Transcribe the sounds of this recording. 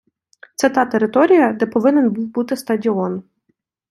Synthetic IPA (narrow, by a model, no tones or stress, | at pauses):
t̪sɛt̪ɑt̪eɾɪt̪ɔɾʲijɐd̪ɛpɔʋɪnɛnbuwbut̪ɪst̪ɐdʲiɔn